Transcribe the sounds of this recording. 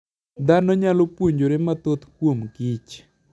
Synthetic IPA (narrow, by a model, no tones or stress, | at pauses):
d̪anɔɲalopwoɲd͡ʒoɾɪmat̪ot̪kwomɡit͡ʃ